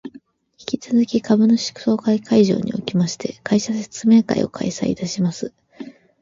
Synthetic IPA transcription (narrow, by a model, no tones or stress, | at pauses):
çʲi̥kʲit͡sɨzɨkʲikabɯ̟no̞ɕi̥kɯ̟̥so̞ːkaikaiʑo̞̰ːɲ̟ḭo̞kʲimaɕi̥t̪e̞̰kaiɕase̥t͡sɨme̞ŋka̰ḭo̞̰kʰa̰isaḭt̪aɕimasɨ